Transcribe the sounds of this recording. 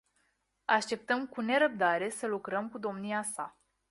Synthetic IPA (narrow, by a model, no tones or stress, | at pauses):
aʃt̪e̞p̚t̪əmkune̞ɾəp̚d̪aɾe̞səlukɾəmkud̪o̞mniasa